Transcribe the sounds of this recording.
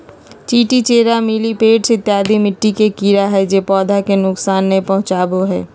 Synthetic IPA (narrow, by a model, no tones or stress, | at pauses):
t͡ʃiːʈit͡ʃeːɾamɪlipeːʈsɪt̪ːjaːd̪ʱimɪʈːikekiɾaɦɛd͡ʒeːpɔːd̪ʱakenʊksaːnːepɐɦʊ̃t͡ʃaːboɦɛ̰ː